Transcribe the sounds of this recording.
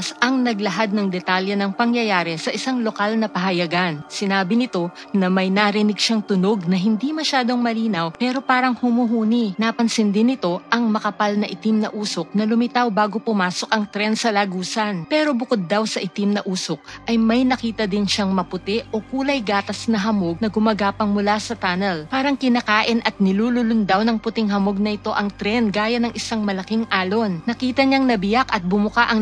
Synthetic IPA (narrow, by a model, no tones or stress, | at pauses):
sʔɐŋnɐɡlɐɦad̪̚nɐŋd̪ɛt̪aljɐnɐŋpɐŋjɐjaːɾɛsɐʔɪsaŋlo̞kalnɐpɐɦɐjɐɡansɪnaːbɪnɪt̪o̞ | nɐmɐjnaɾɪnɪɡʃaŋt̪ʊno̞ɡ̚nɐɦɪnd̪imɐʃaːd̪o̞ŋmɐliːnɐwpɛːɾo̞paːɾɐŋhʊmuɦuːninapɐnsɪnd̪ɪnɪt̪o̞ʔɐŋmɐkɐpalnɐʔɪt̪imnɐʔuːsok̚nɐlʊmɪt̪awbaːɡo̞pʊmaːso̞kʔɐŋt̪ɾɛnsɐlaɡuːsɐnpɛːɾo̞bʊko̞d̪̚ːawsɐʔɪt̪imnɐʔuːsok̚ʔɐjmɐjnɐkiːt̪ɐd̪ɪnʃaŋmɐpʊt̪ɪʔʔo̞kuːlɐjɡaːt̪ɐsnɐɦɐmo̞ɡ̚nɐɡʊmɐɡaːpɐŋmʊlasɐt̪aːnɛlpaːɾɐŋkɪnaːkaːʔɪnʔɐt̪̚nɪluːlʊlʊnd̪awnɐŋpʊt̪ɪŋɦɐmo̞ɡ̚nɐʔɪt̪o̞ʔɐŋt̪ɾɛnɡaːjɐnɐŋʔɪsaŋmɐlɐkiŋʔaːlo̞nnɐkiːt̪ɐɲaŋnɐbɪjakɐt̪̚bʊmʊkaʔɐŋ